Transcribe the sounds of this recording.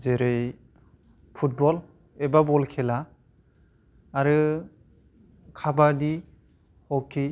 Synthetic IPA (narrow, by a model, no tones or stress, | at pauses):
zeɾɯj | pʰut̚bɔl | ɛbabɔlkʰɛla | ɾɯ | kʰabadi | hɔkʰːi